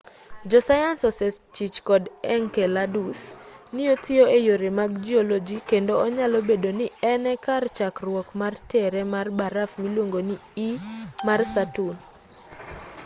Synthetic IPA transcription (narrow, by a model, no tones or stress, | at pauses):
d͡ʒɔsajansɔsɛt͡ʃit͡ʃkɔdɛŋkɛladusniotɪoejoɾemaɡ̚d͡ʒiɔlɔd͡ʒikendoɔɲalɔbedonɪɛnɛkart͡ʃakrwɔkmartɛɾɛmarbaɾafmilwoŋɡoniimarsatun